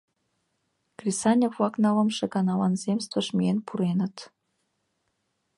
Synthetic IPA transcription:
krisɑnʲevlɑknɑlɤ̆mʃĕɡɑnɑlɑnzemst̪və̆ʃmʲienpʰuɾenə̆t̪

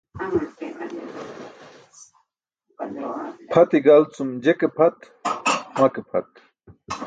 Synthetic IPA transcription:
pʰɐt̪iɡalt͡sumd͡ʑekepʰɐt̪ | makepʰɐ̰t̪̚

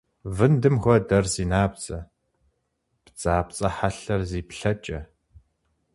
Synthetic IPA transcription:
vɨndɨmxʷɔdɐrziːnaːb̚t͡sʼɐ | pt͡sʼaːp̚t͡sʼɐħaɬɐrziːpɬɐt͡ʃʼɐ

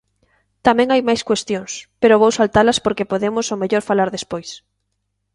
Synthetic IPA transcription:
t̪amɛ̃ŋajmajskwest̪joŋspeɾoβowsalt̪alɐspoɾkepoðemʊsomeʎoɾfalaɾðespojs

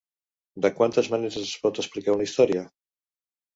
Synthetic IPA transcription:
d̪əkwant̪əzmaneɾəsespɔt̪əsplikaɾunaist̪ɔɾja

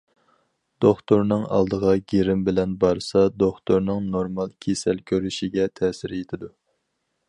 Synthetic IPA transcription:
d̪̥oχt̪oɾnɨŋɑ̰lˠd̪əʁɑɡʲeɾɪmbɪlɛnbɑɾsɑd̪oχt̪oɾnɨŋnoɾmɑlˠkʲʰesɛlkʲʰøɾyʃiɡʲɛt̪ʰɛːsɪɾet̪ʰɪd̪u

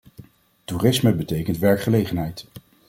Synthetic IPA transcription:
turɪsməbətejkəntʋɛɹkχəlejχənɦɛjt

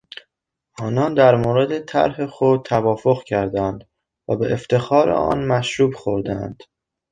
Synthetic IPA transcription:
ʔɒːnɒːnd̪æɾmoːɾe̞d̪et̪ʰæ̰ɾɦe̞xod̪̚t̪ʰævɒːfo̞ɣcʰæɾd̪ænd̪ | væ̰beʔeft̪ʰe̞xɒːɾḛʔɒ̰ːnmæʃɾuːbxoɾd̪æ̰nd̪̥

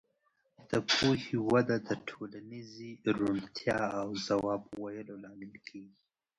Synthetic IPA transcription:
d̪̥əpohiwad̪ad̪əʈʰolaniziɾuɳt̪ʰjɑawzawɑbwajəlolɑmɪlkʰeːɡi

